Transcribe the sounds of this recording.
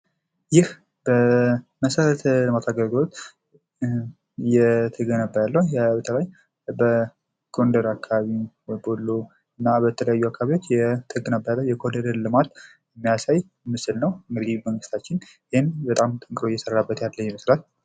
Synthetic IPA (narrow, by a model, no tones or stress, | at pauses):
jɪh | bəməsəɾət̪ʰələmat̪ʰaɡəlɡɨlo̞t̪ | jɛt̪ʰəɡənəbːəjalːəhjɛbət̪ʰəlaj | bə | ɡ̥o̞nd̪əɾakʰːaβaβi | əbolːo | ɨnːabət̪ʰələjajːuakːaβiwot͡ʃːjɛt̪ʰəɡənəbːəjalːəwjɛkʰod̪əɾəɾlɨmat̪ | ɨmːijasaj | mɨsɨlnəwɨŋɡɨd̪iməŋɡɨst̪ʰat͡ʃːɪn | jɪhenbət̪ʼamt̪ʼɨŋkʼɾojɛsərːabːət̪jalːəwjɛməslal